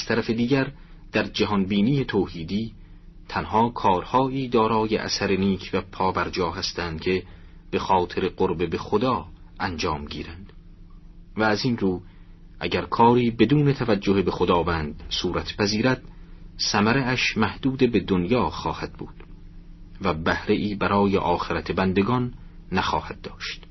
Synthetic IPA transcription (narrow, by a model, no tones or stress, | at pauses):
æz̥t̪ʰæɾæfe̞d̪iːɟæɾ | d̪̥æɾd͡ʒæɦɒnbiːniːet̪ʰoːhiːd̪iː | t̪ʰænhɒːkʰɒːɾhɒːʔiːd̪ɒːɾɒːjḛʔæ̰sæɾeniːkʰvæpʰɒːbæɾd͡ʒɒːɦæst̪ʰænd̪̥cʰe̞ | b̥e̞xɒːt̪ʰe̞ɾeqoɾbe̞be̞xod̪ɒː | ʔænd͡ʒɒːmɟḭːɾænd̪̥ | væːzinruː | ʔæ̰ɟæɾkʰɒːɾiːbe̞d̪uːne̞t̪ʰævæd͡ʒːohebe̞xod̪ɒːvænd̪suːɾæt̪ʰpʰæziːɾæd̪̥sæmæɾeæʃmæhd̪̥uːd̪ebe̞d̪onjɒːχɒːhæd̪̥̚buːd̪̥ | væbæhɾe̞ʔiːbæɾɒːjeʔɒːxe̞ɾæt̪ʰebænd̪eɡɒnːæxɒːhæd̪̚ːɒːʃt̪